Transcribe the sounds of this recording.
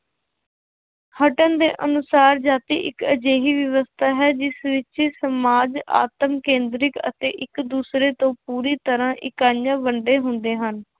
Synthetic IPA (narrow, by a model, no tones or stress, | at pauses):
həʈənd̪ḛːʔənʊsaːɾd͡ʒaːt̪ḭːʔɪ̰kəd͡ʒeːɦiːʋəʋəst̪ʰaːɦɛːd͡ʒɪsʋɪt͡ʃːsəmaːd͡ʒa̰ːt̪əmkẽːnd̪ɾɪkə̰t̪ḛːʔɪkd̪uːsɾeːt̪õːpuːɾiːt̪əɾãːʔɪkaːjãːbəɳɖeːɦʊnd̪eːɦən